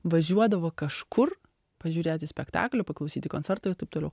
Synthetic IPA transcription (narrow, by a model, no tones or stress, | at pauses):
ʋɐʒʲuɔd̪ɐʋoːkɐʃkʰʊr | pɐʒʲuːɾʲeːt̪ʲɪsʲpʲɛkt̪ɑ̰ːklʲʊpɐklˠɐʊsʲiːt̪ʲɪkoːnt͡s̪ʲɛɾt̪ɐːɪɾt̪ɐɪpt̪oːlʲɛʊ